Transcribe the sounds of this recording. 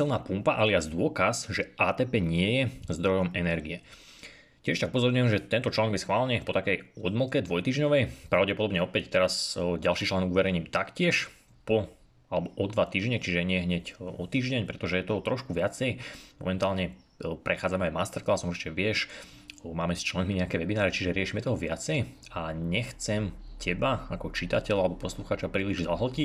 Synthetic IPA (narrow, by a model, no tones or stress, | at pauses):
ilˠnaːpumpaʔaliazd̪ʊɔkasʒɛaːt̪ɛːpɛːɲɪɛjɛzd̪ɾɔjɔmɛnɛɾɡiɛ | cɪɛʃt̪aɡupɔzɔɾɲujɛmʒɛt̪ɛnt̪ɔt͡ʃlaːnɔɡbjɛsxʋaːlɛɲɛpɔt̪akɛjɔd̪ml̩kɛd̪ʋɔjt̪iːʒɲɔʋɛjpɾaʊɟɛpɔd̪ɔbɲɛɔpɛct̪ɛɾasɟalʃiːt͡ʃlaːnɔɡʋɛɾɛjɲiːmt̪akcɪɛʃ | pɔ | alɛbɔʔɔd̪ʋat̪iːʒɲɛt͡ʃiʒɛɲɪɛɦɲɛcɔt̪iːʒɟɛɲpɾɛt̪ɔʒɛjɛt̪ɔɦɔt̪ɾɔʃkuʋɪat͡sɛjmɔ̰mɛnt̪aːlɲɛ | pɾʔɛxaːd͡zamɛajmast̪ɛɾklasɔmiɛʋɪɛʃ | maːmɛst͡ʃlɛnmiɲɛakɛːʋɛbinaːɾɛt͡ʃiʒɛɾɪɛʃimɛt̪ɔɦɔʋɪat͡sɛjaɲɛxt͡sɛmcʰɛbaakɔt͡ʃit̪acɛʎalɛbɔpɔsluxaːt͡ʃapɾiːliʒzaɦl̩cic